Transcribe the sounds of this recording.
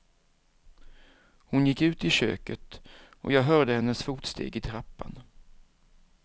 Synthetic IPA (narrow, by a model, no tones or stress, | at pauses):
hʊnjɪkːʉ̟ːt̪ɪɕø̰ːkət̪ʔɔ̰jɑːɡɦœːɖəhɛnːəsfuːʈst̪ʰḛːɡɪt̪ʰɾapːa̰n